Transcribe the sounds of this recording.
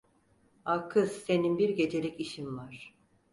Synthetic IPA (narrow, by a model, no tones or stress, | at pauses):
akʰɯzse̞ninbiɾɟe̞d͡ʒe̞lʲɛciʃinvaɾ̥